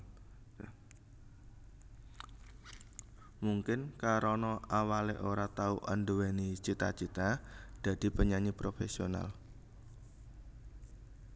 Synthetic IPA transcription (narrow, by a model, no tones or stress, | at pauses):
muŋkɪnkaɾɔnɔawaleʔoɾat̪auʔandəwɛnit͡ʃit̪at͡ʃit̪ad̪̥a̤d̪̥i̤pəɲaɲipɾofesiona̰l